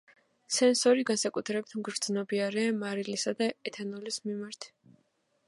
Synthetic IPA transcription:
sɛnsɔɾiɡansakʼut̪ʰɾɛbit̪ʰmɡɾd̪znɔbiaɾɛamaɾilisad̪aɛt̪ʰanɔlismimaɾt̪ʰ

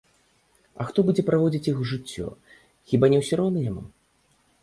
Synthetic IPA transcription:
ɐ̰xt̪ɔbud͡zʲɛpɾavɔd͡zʲit͡sʲjixwʐɨt͡sʲːɔ̰ | xʲibanʲɛwsʲɔɾɔwnɨnʲama̰

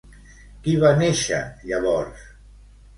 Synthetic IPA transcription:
kiβaneʃə̰ʎaβɔɾs

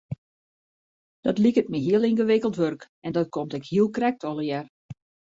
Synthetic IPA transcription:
d̥ɔtlikət̚miɦiəlˠinɣəʋɪkəlˠtʋørk | ɛndɔtkʰomtɛkhiəlˠkrɛk̚tɔlˠəjɛr

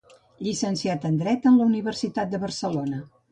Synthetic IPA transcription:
ʎisənsiat̪ənd̪ɾɛt̪ənləuniβərsit̪at̪̚d̪əβərsəlonə

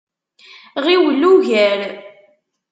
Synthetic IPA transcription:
ʁiwəlːuʝæɾ

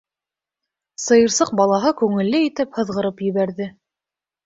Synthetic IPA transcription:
sɤ̆jɤ̆ɾsɤq̚bɑlˠɑɦɤkʉŋɘ̆lːɘit̪ɘphɤ̆ðʁɤ̆ɾɤpjɵ̆βæɾðɘ

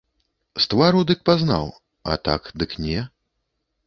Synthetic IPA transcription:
st̪vaɾud̪ɨk̚pazna̰w | ɐ̰t̪a̰kd̪ɨknʲɛ

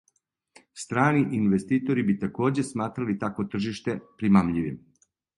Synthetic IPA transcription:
st̪ɾaːniʔinʋest̪iːt̪o̞ɾibit̪ako̞ːd͡ʑe̞smaːt̪ɾalit̪akʋot̪r̩ʒiʃt̪e̞pɾimamʎiʋim

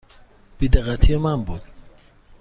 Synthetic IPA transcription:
b̥id̪eɣat̪ʰiemambud̪

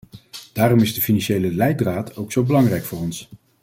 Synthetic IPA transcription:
d̥aːrɔmɪzdəfinɑnʃejləlɛjdraːtʰowksowbəlɑŋrɛjkfʊːrɔns

